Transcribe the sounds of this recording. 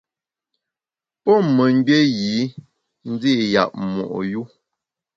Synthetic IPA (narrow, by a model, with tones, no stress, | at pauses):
pɔ˦mə˨ŋ˦ɡe˦ɣi˨˦ | n̩˦d͡zi˦˨ja̰˨p̚mɔ̰˨ʔju˦